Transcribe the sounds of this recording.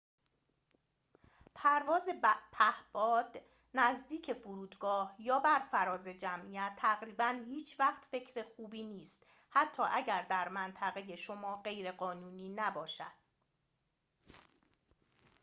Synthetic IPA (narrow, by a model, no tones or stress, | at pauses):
pʰæɾvɒːze̞pʰæhb̥ɒːd̪̥ | næzd̪iːcʰe̞foɾuːd̪ɡɒːhjɒːbæɾfæɾɒːze̞d͡ʒæmʔiːæt̪ʰːæɣɾiːbænhiːt͡ʃʰvæχt̪fe̞cʰɾe̞xuːbiːniːst̪ | hæt̪ʰːɒːʔæɟæɾd̪æɾmænt̪ʰæɣe̞je̞ʃo̞mɒːɢe̞jɾe̞ɢɒːnuːniːnæbɒːʃæ̰d̪̥